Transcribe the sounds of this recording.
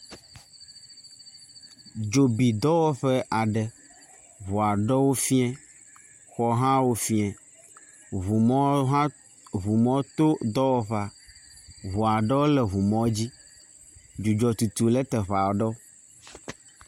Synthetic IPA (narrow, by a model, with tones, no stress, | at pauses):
d͡ʒo˨bi˨d̪ɔ˦wɔ˦ɸɛ˦ʔa˨ɖɛ˨ | βu˨a˨ɖɛ˦wo˦fi˦ɛ̃˦ | xɔ˨ɦã˦wo˦fi˦ɛ̃˨ | βu˨mɔ̃˦ɦã˦ | βu˨mɔ̃˦t̪o˦d̪ɔ˦wɔ˦ɸa˨ | βu˨a˨ɖɛ˦wo˦lɛ˨βu˨mɔ̃˦d͡ʑi˦ | d͡ʒu˨d͡ʒɔ˨t̪u˨t̪u˨lɛ˦t̪ɛ˨ɸa˨wɖɔ˦